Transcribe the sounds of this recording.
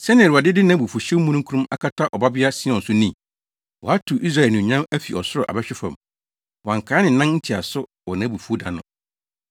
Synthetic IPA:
sɛ˦nɪ̃˨ɾɪ˨a˨dɪ˦dɪ˦nã˨˦bu˨fu˨ɕɪ˦mũ˦nũ˦ŋ˦kʰu˦ũ˦ma̰˦kʰa˦tʰa˦ʔɔ˨ba˦bɪ˦a˦sĩ˦˨ɔ̃˨n̩˨sʊ˦nĩ˦˨ | wʔɔ̰˨a˦tʰu˨ʔi˦s̬ɾa˦˨ɛ˨nʊ̃˨ɲã˦mæ˦fi˨ʔɔ˨sʊ˦ɾɔ˨ʔa̰˨bɛ˦ɕᶣɪ˦fã̰˨m | wã˨ŋkʰaː˦nɪ̃˨nã˦nn̩˦tʰi˨a˨sʊ˦ | wɔ˨nã˨˦bu˨fu˦o˦dã̰˨nʊ̰̃˨

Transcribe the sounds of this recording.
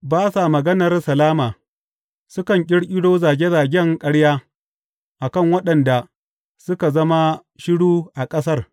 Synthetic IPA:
baː˦sa˨mɐ˨ɡɐ˦nɐ˨rsɐ˨laː˦maː˨ | sʊ˦kɐ˨ŋkʲʼɪ˦ɽkʲʼɪ˦ɽoː˦zaː˨ɡʲe˦zaː˨ɡʲɛ˦ŋkʼɐ˦ɽjaː˦ | ʔa˨kɐ˦˨ŋwɐ˦ɗɐ˨nda˨ | sʊ˦ka˨zɐ˦ma˦ʃɪ˦ɽuː˦ʔa˨kʼɐ˦s̬ɐ˦r

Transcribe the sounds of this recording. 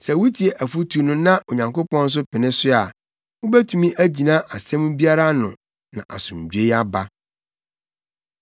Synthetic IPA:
sɛ˨wu˦tʰi˨e˨ʔæ˨fu˦tʰu˨nʊ̃˦nã˦ʔo˨ɲã˨ŋko˦pɔ̃˦n̩˦s̬ʊ˦pʰɪ˨nɪ̃˦sʊ˦a˨ | ʊ˦bæ˦tʰũ˨mĩ˦ʔæ˦d͡ʑi˨nã˦ʔa˨sɛ̃˦m̃˦bi˦a˦ɾa˦nʊ̃˨ | nã̰˨ʔa̰˨sʊ̃˨m˨d͡ʑe˦a˦ba˦

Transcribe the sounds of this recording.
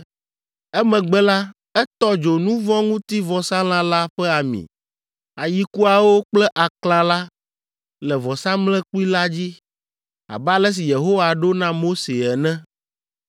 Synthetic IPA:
ɛ˦mɛ̃˨ɡ͡bɛ˦la˦ | ɛ˦t̪ɔ˦d͡ʒo˨nũ˦vɔ̃˦ŋũ˦t̪i˦vɔ˨sã˦l̃ã˦la˦ɸɛ˦a˨mḭ̃˨ | a˨ji˦ku˦a˨wo˦k͡plɛ˦ʔa˨klã˨la˦ | lɛ˨vɔ˨sã˦mlɛ̃˦k͡pu˦i˦la˦d͡ʑi˦ | a̰˨ba˦lɛ˦s̬i˨je˨ɦo˦wa˨ɖo˦nã˦mo˦se˨ɛ˨nɛ̃˦

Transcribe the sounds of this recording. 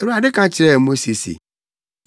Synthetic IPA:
ɛ˨ɾu˨a˨dɪ˦kã˦t͡ɕʰɪ˦ɾɛ˦˨mo˦si˨sḭ˨

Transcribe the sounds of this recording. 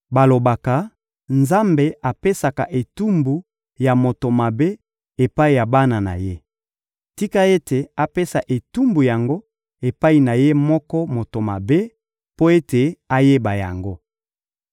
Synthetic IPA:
ba˨lo˨ba˨ka˨ | nza˦mbe˨a˨pe˦sa˨ka̰˨ʔe˨tu˦mbu˨ | ja˨mo˨to˨ma˨be˦ | e˨pa˦i˨ja˨ba˦na˨na̰˨je˦ | ti˦ka˦e˦tʰe˨a˨pe˦sa˨ʔe˨tu˦mbu˨ja˨ŋɡo˦ | e˨pa˦i˨na˨je˦mɔ˦kɔ˦mo˨to˨ma̰˨be˦ | po˦e˦te˨a˦je˦ba˨ja̰˨ŋɡo˦

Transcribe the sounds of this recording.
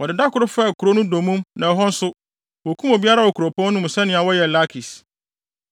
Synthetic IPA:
wɔ˨dɪ˨da˦kʰʊ˨ɾʊ˦fɛ˦˨kʰu˨ɾo˦nʊ̃˦do˨mũ˦mnã˨ɔ˨˦ɦɔ˦n̩˦sʊ˦ | wɔ˨kʰũ˦mo˨bi˦a˦ɾa˦wɔ˨kʰu˨ɾo˨pʰɔ̃˦n˦nʊ̃˦m̩̃˨sɛ˦nɪ̃˦˨a˨wɔ˦jɛ˨la˦kʰi˨s

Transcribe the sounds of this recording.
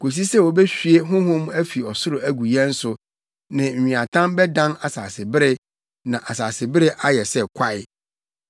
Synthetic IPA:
kʰo˨s̬i˦sɛ˦wo˨bɛ˦ɕᶣi˨e˦ɦʊ̃˦ɦʊ̃˦mæ˦fi˨ɔ˨sʊ˦ɾʊ˨æ˦ɡʷu˨jɛ̃˦n̩˦sʊ˨ | nɪ̃˨m̩˨ɥĩ˨a˨tʰã˦mbɛ˦dã˦na˨sa̰ː˨sɪ˨bɪ˦ɾɪ˦ | nã˨ʔa˨saː˨sɪ˨bɪ˦ɾɪ˦ʔa˦jɛ˨sɛ˦kʷʰa˦ɪ˦

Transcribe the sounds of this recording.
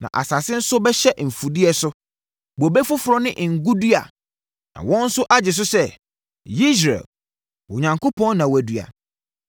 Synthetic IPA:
nã̰˨ʔa̰˨sa˨sɪ˦n̩˦sʊ˦bɛ˦ɕɛ˦ʔm̩˨fu˨di˦ɛ˦sʊ˦ | bo˨be˦fʊ˦fʊ˨ɾɔ˦nɪ̃˦ʔŋ̩˨ɡu˦dɥa̰˨ | nã̰˨wɔ̃˦n̩˦sʊ˦ʔa˦d͡ʑɪ˨s̬ʊ˦sɛ˦˨ | ji˦s̬ɾḛ˨l | wɔ˨ɲã˨ŋkʰo˦pʰɔ̃˦nːã˨wæ˨dɥa̰˨

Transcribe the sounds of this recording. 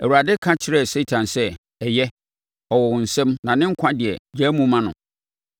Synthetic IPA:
æ˨wu˨ɾa˨dɪ˦kʰã˦t͡ɕʰɪ˨ɾɛ˦˨se˦tʰã˨nsɛ˦ | ɛ˨jɛ˦ | ɔ˨wɔ˨wʊ̃˨n̩˨sɛ̃˦mnã˨nɪ̃˦ŋ̩˦kʷʰã˦dɪ˨ɛ̰˨d͡ʑɛː˦mũ˦mã˦nʊ̰̃˨

